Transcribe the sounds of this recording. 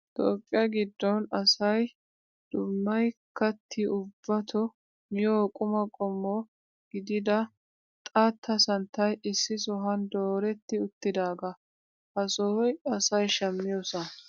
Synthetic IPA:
t̪ʼoːpʼːɪjɐɡɪd̪ːɔnɐsɐj | d̪̥ʊmːɐjkʰːɐt̪ʰːɪʊbːɐt̪ʰɔ | mɪjoːkʼʊmɐkʼɔmːɔ | ɡ̥ɪd̪ɪd̪ɐ | t̪ʼɐt̪ʰːɐsɐnt̪ːɐjɪsːɪsɔɦɐnd̪oːɾɛt̪ːɪʊt̪ːɪd̪aːɡɐ | ɐsoːjɐsɐjʃɐmːɪjoːsɐ

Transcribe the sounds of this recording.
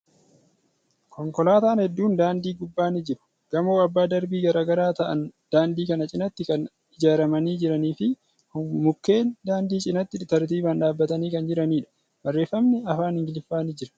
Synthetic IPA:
kɔŋkɔlaːt̪aːnhɛd̪ːuːnd̪aːnd̪iːɡʊbːaːnɪd͡ʒɪɾʊ̥ | ɡ̥ɐmoːɐbːaːd̪ɐɾbiːɡɐɾaːɡɐɾaːt̪ɐʔɐ̰nd̪̥aːnd̪iːkɐnɐt͡ʃʼɪnɐt̪ːɪkɐn | ɪd͡ʒaːɾɐmɐniːd͡ʒɪɾɐniːfɪ | hmʊkːe̞ːnd̪aːnd̪iːt͡ʃʼɪnɐt̪ːɪt̪ɐɾt̪iːbaːnᶑaːbːɐt̪ɐniːkɐnd͡ʒɪɾɐniːᶑɐ̥ | bɐrːe̞ːfːɐmnɛɐfaːnɪŋɡɪlɪfːaːnɪd͡ʒɪɾɐ̥

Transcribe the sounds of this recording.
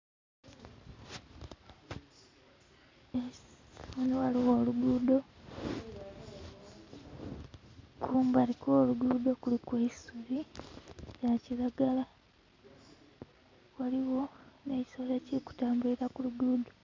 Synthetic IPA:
ewaniwaliwo̞ːluduːdo̞ | kuːmbalikoːluɡuːdo̞kulikweisuɾi | jaciɾaɡala | waliwo̞ne̞ːci̥soleciku̥taːmbuiɾakuluduːdo̞

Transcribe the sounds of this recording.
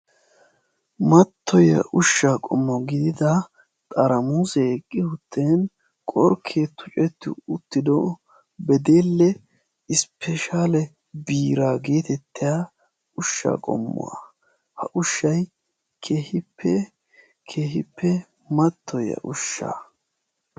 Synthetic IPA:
mɐt̪ːɔjɐ̰ʔʊʃːaːkʼɔ̰mːɔɡɪd̪ɪd̪ɐ | t̪ʼɐɾɐmuːsɛɛkʼːɪhʊt̪ʰːeːn | kʼɔɾkʰeːt̪ːʊt͡ʃʼɛt̪ːɪ̰ʊt̪ːɪd̪ɔ | bɛd̪eːlːɛ | ɪspʰɛʃaːlɛ | biːɾaːɡeːt̪ɛt̪ːɪjaː | ʊʃːa̰ːkʼɔ̰mːɔ̰wɐ̰ | hɐʔʊʃːɐj | kʰeːhɪpʰːɛ | kʰeːɦɪpːɛ | mɐt̪ʰːɔjɐ̰ʔʊʃːa̰

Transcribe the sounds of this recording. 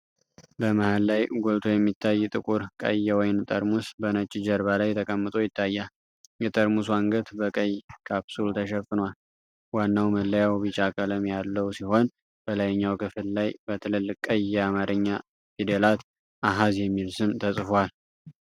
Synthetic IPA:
bəmahalːajɡolt̪ʰo̞jɛmːit̪ʰːajːt̪ʼɨkʼuɾkʼə̰jːɛwɔjnt̪ʼəɾmusbənət͡ʃʼːɪd͡ʒəɾβalajt̪ʰəkʼəmːɨt̪ʼojɪt̪ʰːajːal | jɛt̪ʼəɾmus̬aŋɡət̪bəkʼəjːkʰapsult̪ʰəʃɛfːɨnwal | wanːawməlːəjawbit͡ʃʼakʼələmjalːəwsiho̞n | b̥əlajɲːawkʰɨfɨllajbət̪ʰɨlɨlːɨkʼːəjːɛamaɾʔɨɲːa | fid̪elat̪ | ʔaɦazjɛmːilsɨmt̪ʰəsʼfwal

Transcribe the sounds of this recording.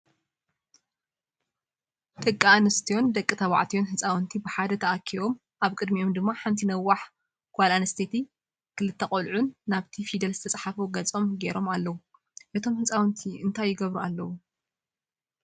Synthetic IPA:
t̪ʼɨkʼːaanɐst̪ʰijo̞nd̪ɐkʼːit̪ʰɐβa̰ʕt̪ʰijo̞nɦɨt͡sʼawnt̪ʰibɨħad̪ɐt̪ʰɐʔakʰːio̞m | ʔaβkʼɨd̪mio̞md̪ɨmːaħant̪ʰinɐwːaħ | kʰwalanɐst̪ʰet̪ʰi | kʰɨlɨt̪ʰːɐqʼolʕunːaβt̪ʰifid̪ɐlzɨt̪ʰɐt͡sʼħafoɡɐt͡sʼo̞mɡeɾo̞malːɐwu | ʔɨt̪ʰo̞mhɨt͡sʼawnt̪ʰiʔɨnt̪ʰajːɪɡɐβɾualːɐwu

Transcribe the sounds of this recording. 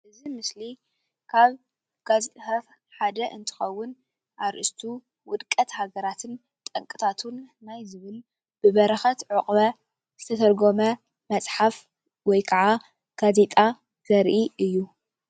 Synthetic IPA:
ʔɨzimɨsli | kʰaβ | ɡ̥azet̪ʼat̪ | ħad̪ɐʔɨnt̪ʰɨ̥xɐwːʊn | ʔaɾʔist̪ʰu | wʊd̪kʼɐt̪haɡɐɾat̪ʰɨn | t̪ʼɐŋkʼɨt̪ʰat̪ʰunːajzɨβɨl | b̥ɨβɐɾɐxɐt̪ʕʊqʼβɐ | z̥ɨt̪ʰɐt̪ʰɐɾɡomɐ | mɐt͡sʼħaf | wɔjkʰaʕa | ɡ̥aze̞t̪ʼa | z̥ɐɾʔiʔɨjːu

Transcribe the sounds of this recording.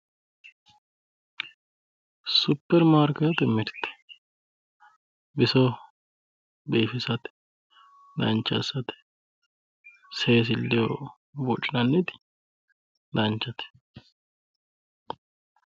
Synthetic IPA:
sʊpːɛɾmaːɾkɐt̪ɛmɪɾt̪ɛ̥ | bɪsɔ | beːfɪsɐt̪ | d̪ɐ̰nt͡ʃːɐ̰sːɐt̪ | seːs̬ɪlːɛjo | bɔt͡ʃʼːɪnɐnːɪt̪ɪ̥ | d̪ɐnt͡ʃːɐt̪

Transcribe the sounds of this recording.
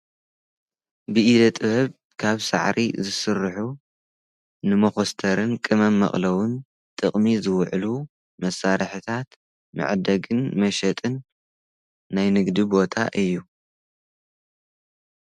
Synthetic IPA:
bɨʔid̪ɐt̪ʼɨβɐβ | kʰaβsa̰ʕɾʔḭzɨsɨrɨħu | nɨmɐxost̪ʰɐɾɨnkʼɨmɐmːɐ̰χʼlɐwʊn | t̪ʼɨχʼmizɨwʕlu | mɐsːaɾɨħɨt̪ʰat̪ | mɨ̰ʕd̪ɐɡɨnmɐʃɐt̪ʼɨn | ajnɨɡd̪ibo̞t̪ʰa̰ʔɨjːu

